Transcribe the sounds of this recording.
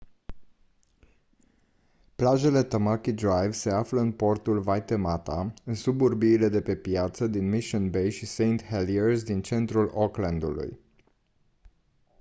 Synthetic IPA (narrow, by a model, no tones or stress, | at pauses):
plaʒe̞le̞t̪əmakid̪ɾajvse̞afləɨnpo̞rt̪ulvajt̪e̞mat̪aɨnsuburbiːle̞d̪e̞pe̞pjat̪səd̪inmiʃɨnbe̞jʃisejnt̪helierzd̪int͡ʃe̞nt̪ɾulokland̪ṵlṵj